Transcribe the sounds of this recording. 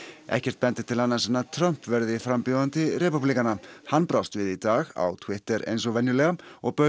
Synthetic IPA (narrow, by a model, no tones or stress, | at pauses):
ʔɛ̰hcɛr̥t̪̚pɛnt̪ɪ̥t̪ʰɪlhanːḁsɛnːat̪ʰɾœm̥pvɛɾðɪfɾampjoðant̪ɪɾɛpuplikanahanːpɾast̪vɪðit̪aːɣa̰wt̪ʰwɪht̪ɛɾḛjns̬ɔvɛnjʏlɛːɣaɔɣpœ